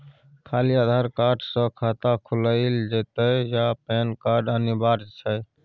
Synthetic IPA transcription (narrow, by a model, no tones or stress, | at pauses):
kʰaliad̪ʱaɾkaɾɖsə̃kʰat̪akʰuləɪld͡ʒet̪əjapenkaɾɖənibaɾt͡ʃʰə